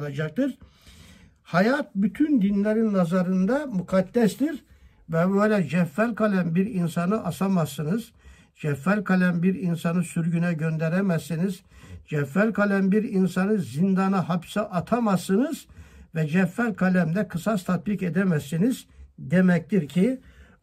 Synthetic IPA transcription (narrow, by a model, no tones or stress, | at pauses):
ad͡ʒak̚t̪ʰɯɾ | hajat̪̚byt̪ʰynd̪inlʲeɾinːazaɾɯnd̪amukʰad̪̥ːɛst̪iɾ | vɛbøjlʲɛd͡ʒɛfːælʲkʰalʲæmbiɾinsanɯʔasamasːɯnɯz | d͡ʒɛfːælʲkʰalʲæmbiɾinsanɯsyɾɟynɛɟø̞nd̪ɛɾɛmæsːinizd͡ʒɛfːælʲkʰalʲæmbiɾinsanɯzind̪anaɦapsaʔat̪ʰamasɯnɯzvɛd͡ʒɛfːælʲkʰalʲæmd̪ɛkʰɯsast̪ʰat̪̚biked̪ɛmæsːiniz̥d̪emɛc̚t̪ʰiɾcʰi